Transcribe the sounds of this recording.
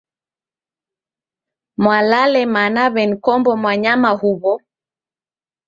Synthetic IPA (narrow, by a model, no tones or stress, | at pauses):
mwalalɛmanaβɛnikɔmbɔmwaɲamahuβɔ